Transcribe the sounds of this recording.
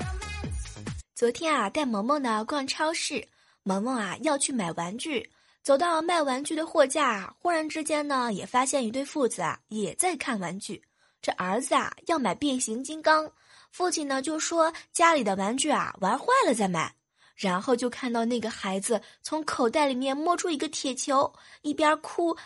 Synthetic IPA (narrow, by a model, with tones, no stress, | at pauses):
t͡sɔ˧˥t̪ʰjɛ˥na˨t̪a˥˩ɪmɤ˧˥ŋmə˥˩nə˩kwa˥˩nʈ͡ʂʰɑ˥ʊʂɻ̩˥˩ | mɤ˧˥ŋmə˥˧ɐ̰˨˩jɑ˥˧ʊt͡ɕʰy˥˩ma˨˩ɪwa˧˥nt͡ɕy˥˩ | t͡so˨˩ʊt̪ɑ˥˩ʊlə˩ma˥˩ɪwa˧˥nt͡ɕy˥˩d̪ə˩xwɔ˥˧t͡ɕja̰˥˩˨xu˥ɻa˧˥nʈ͡ʂɻ̩˥t͡ɕjɛ˥nnə˨˩jɛ˨˩fa˥ɕjɛ˥˧ny˧˥t̪we˥˧ɪfu˥˩d͡zɹ̩˨˩a̰˩jɛ˨˩t͡sa˥˧ɪkʰa˥˩nwa˧˥nt͡ɕy˥˩ | ʈ͡ʂɤ˥˩ʔə˞˧˥d͡zɹ̩˧ɐ̰˨˩jɑ˥˩ʊma˨˩ɪpjɛ˥˩nɕi˧˥ŋt͡ɕi˥ŋkɑ˥ŋ | fu˥˩t͡ɕʰi˨˩nnə˩t͡ɕjo˥˩ʊʂwɔ˥t͡ɕja˥li˨˩d̪ə˦wa˧˥nt͡ɕy˥˩a̰˩wa˧˥nxwa˥˩ɪlə˩t͡sa˥˩ɪma̰˨˩˦ɪ | ɻa˧˥nxo˥˧ʊt͡ɕjo˥˧ʊkʰa˥˧nt̪ɑ˥˧ʊna˥˩ɡə˩xa˧˥ɪd͡zɹ̩˧t͡sʰʊ˧˥ŋkʰo˨˩ʊt̪a˥˩ɪli˨˩mjɛ˥˧nmwɔ˥˧ʈ͡ʂʰu˥i˧˥ɡə˧t̪ʰjɛ˨˩t͡ɕʰjo˧˥ʊ | i˥˩pjɑ˥kʰu˥